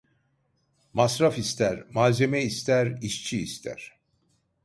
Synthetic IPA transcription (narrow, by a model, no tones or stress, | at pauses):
masɾafist̪ʰæɾmaːzemɛist̪ʰæɾiʃt͡ʃʰiːst̪ʰæ̰ɾ̥